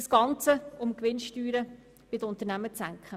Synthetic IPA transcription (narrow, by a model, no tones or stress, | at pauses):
əsɡ̥ɑnt͡səʊmkʋɪnʃtyːɾə | b̥ɪdəʊnt̪əɾnæmət͡sæŋkχə